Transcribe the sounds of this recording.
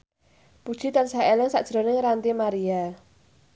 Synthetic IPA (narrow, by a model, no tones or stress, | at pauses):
pud̥ʒ̥i̤t̪ansaelɪŋsa̰ʔd̥ʒ̥ɾo̤nɪŋɾant̪imaɾia